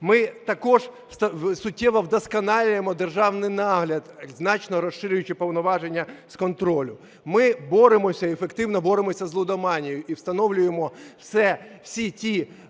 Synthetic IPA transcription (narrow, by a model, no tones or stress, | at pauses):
mɪt̪ɐkɔʒ | st̪ɐsʊtʲːɛʋɐwd̪ɔskɐnɑlʲʊjemɔd̪erʒɑwnɪjnɑɦlʲɐd̪znɑt͡ʃnɔɾɔsːɪɾʲʊjʊt͡ʃɪpɔwnɔʋɑʒenʲːɐskɔnt̪ɾɔlʲʊ | mɪbɔɾɪmɔsʲɐefekt̪ɪwnɔbɔɾɪmɔsʲɐzlˠʊd̪ɐmɑnʲijʊʔiwst̪ɐnɔwlʲʊjemɔwsɛwsʲitʲi